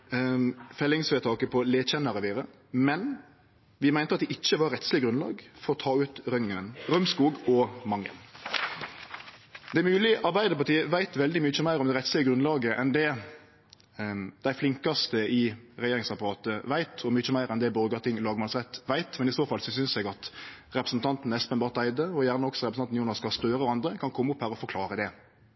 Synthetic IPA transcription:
fɛlːɪŋsʋeːt̪ʰɑːkəpʰɔleːt̪çɛnːɑɾəʋiːɾə | mɛn | ʋɪmæɪnt̪əɑt̪d̪ɪʔɪt͡ʃːəʋɑɾɛt̪slɪəɡɾʉnlɑ̰ːɡfɔɾɔt̪ʰɑːʉːt̪ɾœŋənɾœmskuːɡɔmɑŋːə̰n | d̪ɛæmʉːlɪʔɑɾbæɪd̪əpɑt̪ʰiːəʋæɪt̪ʋɛld̪ɪmʏt͡ʃːəmæɪɾɔmd̪ɛɾɛt̪slɪəɡɾʉnlɑːɡəʔɛnd̪ɛ | d̪̥æɪflɪŋkɑst̪əɪʁɛjeːɾɪŋsɑpɑʁɑːt̪əʋæɪt̪ʰɔmʏt͡ʃːəmæɪɾɛnd̪ɛbɔɾɡɑt̪ɪŋlɑːɡmɑlsʁɛt̪ːʋæɪt̪mɛnɪsoːfɑlsɔsʏnsɛɡɑt̪ʁɛpɾə̥sn̩t̪ʰɑnt̪n̩ɛspənbɑːʁt̪æɪd̪əɔjæʁnəɔksɔɾɛpɾəsɑn̩juːnɑskɑst̪øːɾəɔɑnd̪ʁəkʰɑnkʰɔmːʊphæːɾɔfɔɾkʰlɑːʁəd̪ɛ

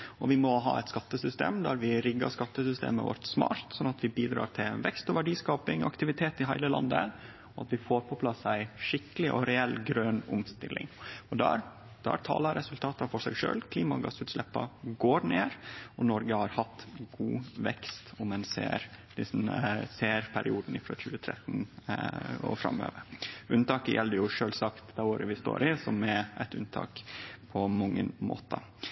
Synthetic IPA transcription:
ɔʋɪmɔɦɑ̰ːɛ̰ɪt̪skɑt̪ːəsʏst̪ḛːmd̪æɾʋɪɾɪɡːɑ̰ʂkɑt̪ːəsʏst̪ḛːmə̰ʋɔ̰ɾt̪smɑ̰ːɾt̪sɔnːɑt̪ʋɪbiːd̪ɾɑ̰ːɾʈ̪ʰɪlʋɛkst̪ɔʋæɖiːskɑːpɪŋ̰ɑkt̪ɪʋɪt̪ʰeːt̪ɪɦæɪləlɑ̰nd̪ə̰ | ɔɑt̪ʋɪfoːɾpʰɔpʰlɑsːæɪʂɪkːəlɪʔɔɾɛɛlːɡɾœnʊ̰mst̪ɪlʔɪ̰ŋɔd̪æɾ | d̪̥æt̪ʰɑ̰ːlɑɾɛsʉlt̪ʰɑːt̪ɑfɔʂæɪɡʂø̰ːlkʰliːmɑ̰ɡɑsʉːt̪ʂlɛpːɑ̰ɡoːɾneːɾɔnɔɾɡəhɑɾhɑt̪ːɡuːʋɛkst̪ʊmɛnsḛːɾd̥̪ɪsnseːɾpʰæɾɪuːd̪n̩ɪfɾɔçʉːət̪ʰɾɛ̰t̪n̩ | ɔ̰fɾɑ̰mø̰ːʋəɾʉnt̪ɑːkəjʔɛld̪əjʊʂøːlsɑkt̪d̪æoːɾəʋɪst̪o̰ːɾʔɪsɔmɛʔɛt̪ʉnt̪ʰɑ̰ːkpʰɔmɔŋːənmo̰ːt̪ɑ

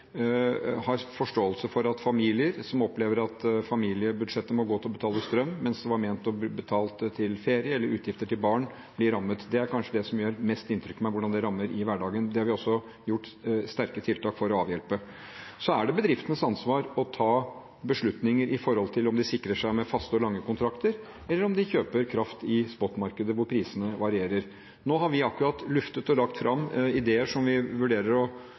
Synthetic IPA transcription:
hɑɾfɔʂʈoːəlsəfɔɾɑt̪fɑmiːlɪəɾsɔmɔpleːʋəɾɑt̪fɑmiːlɪəbʉd̪ʂɛt̪ːəmɔɡoːt̪ɪlɔbət̪ʰɑːləst̪ɾœmːɛnsd̪ɛʋɑɾmɛːnt̪ɔbət̪ʰɑːlt̪t̪ʰːɪlfeːɾɪəɛlːəɾʉːt̪jɪft̪əʈʰɪlbɑːɳ | b̥lɪɾɑmːət̪d̪ɛæɾkʰɑnʂəd̪ɛsɔmjøːɾmɛst̪ɪnt̪ʰɾʏkːmæɪʋʊɖɑnd̪ɛɾɑmːəɾɪʋæɖɑːɡənd̪ɛhɑɾʋɪɔsːɔ | jʊʈːst̪æɾkət̪ʰɪlt̪ʰɑːkfɔɾɔɑːʋjɛlpə | sɔæɖɛbəd̪ɾɪft̪ənəsɑnsʋɑːɾɔt̪ʰɑː | bəʂɭʉt̪nɪŋəɾʔɪfɔɾhɔlt̪ʰɪlɔmd̪ɪsɪkːɾəʂæɪmɛfɑst̪əɔlɑŋːəkʰʊnt̪ʰɾɑkt̪əɾ | ɛlːəɾɔmd̪ɪçøːpəɾkʰɾɑft̪ɪspɔt̪ːmɑɾkəd̪əʋʊɾpʰɾiːsənəʋɑɾɪeːɾəɾ | noːɦɑɾʋɪɑkːʉɾɑt̪lʉft̪ət̪ɔlɑkt̪fɾɑmːɪd̪eːəʂɔmʋɪʋʉɖeːɾəɾɔ

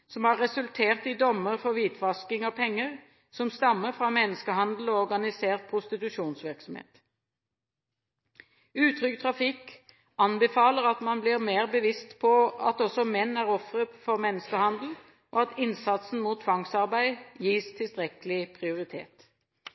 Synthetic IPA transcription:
sɔmhɑʁɛsʉlt̪ʰeːʁt̪ɪd̪ɔmːəʁfɔʋiːt̪ʰʋɑskɪŋɑpʰɛŋːəʁ | sɔmst̪ɑmːəʁfʁɑmɛnːəskəhɑnd̪l̩ɔɔʁɡɑnɪseːʁt̪̚pʰʁʊst̪ɪt̪ʉʃuːnsʋɪʁksɔmhḛːt̪ | ʉːt̪ʰʁʏkt̪ʰʁɑfɪk | ɑnbəfɑːləʁɑt̪mɑnbliːʁmeːʁbəʋɪst̪pʰɔɑt̪ɔsɔmɛnːæːʁɔfʁəfɔʁmɛnːəskəhɑnd̪l̩ | ʔoːɑt̪ɪnsɑt̪sn̩muːt̪ʰːʋɑŋsɑʁbæɪjiːst̪ʰɪlst̪ʁɛkəlɪpʰʁɪʊʁɪt̪ʰḛːt̪

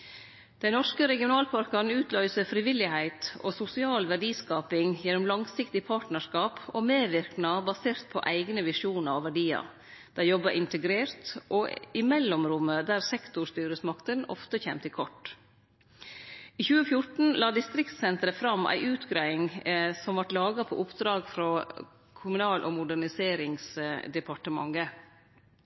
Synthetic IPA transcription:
d̪̥ɛɪnɔʂkəɾɛɡɪʊnɑːlpʰɑɾkɑnʉːt̪ʰlœʏsəfɾɪʋɪlɪhæɪt̪ʔo̰ːsʊsɪɑːlʋæɖiːskɑːpɪŋjɛnʊmlɑŋsɪkt̪ɪpʰɑːʈnəʂkɑːpoːmeːʋɪɾknɑbɑseːɾt̪̚pʰɔ̰ʔæɪɡnəʋɪʂuːnəɾɔʋæɖiːɑ̰ | d̪̥æɾjɔbəʔɪnt̪əɡɾeːɾt̪ʔoːɪmɛlːʊmɾʊmːəd̪æɾsɛkt̪ʊɾʂt̪yːɾəsmɑkt̪ənɔ̰ft̪əçeːmt̪əɪkʰɔʈː | iːçʉːəfjʊʈɳ̩lɑːd̪ɪst̪ɾɪkt̪sɛnt̪əɾəfɾɑmʔæ̰ɪʔʉːt̪ɡɾæɪŋsɔmʋɑʈlɑːɡɑpʰɔ̰ʔʊpd̪ɾɑːɡfɾɔ | kʰʊmʉnɑːlʔɔːmʊɖæɳɪseːɾɪŋsd̪ɛpʰɑʈəmɑ̰ŋːə

